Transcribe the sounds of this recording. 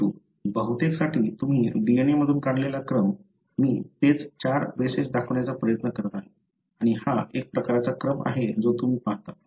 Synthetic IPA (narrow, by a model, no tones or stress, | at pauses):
uː | bəɦut̪eksaʈʰiːt̪um̤iːɖienjeməd̪ʱuːnkaɽlelakɾəmː | iːt̪et͡st͡ɕaɾʋeset͡sd̪akʰʋɳjat͡sapɾəjət̪nəkəɾt̪aɦe | aɽ̃ihaʔek̚pɾəkaɾat͡sakɾəma̰ɦed͡zot̪um̤iːpaɳt̪a